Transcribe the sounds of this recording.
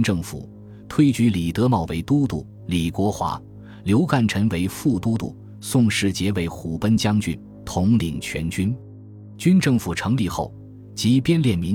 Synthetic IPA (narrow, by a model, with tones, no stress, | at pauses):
nʈ͡ʂɤ˥˩ŋfṵ˨˩˦ | t̪ʰwe˥ɪt͡ɕy˧˥li˨˩t̪ɤ˧˥mɑ˨˩ʊwe˧˥ɪt̪u˥t̪ṵ˥˩ | li˨˩kwɔ˧˥xwa̰˧˥ | ljo˧˥ʊka˥˩nʈ͡ʂʰə˧˥nwe˧˥ɪfu˥˩t̪u˥t̪ṵ˥˩ | sʊ˥˧ŋʂɻ̩˥˩t͡ɕjɛ˧˥we˧˥ɪxu˨˩pə˥nt͡ɕjɑ˥ŋt͡ɕy̰˥˩n | t̪ʰʊ˧˥ŋli˨˩ŋt͡ɕʰɥɛ̰˧˥nt͡ɕy˥n | t͡ɕy˥nʈ͡ʂɤ˥˩ŋfu˨˩ʈ͡ʂʰɤ˧˥ŋli˥˧xo˥˩ʊ | t͡ɕi˧˥pjɛ˥˧nljɛ˥˩nmi˧˥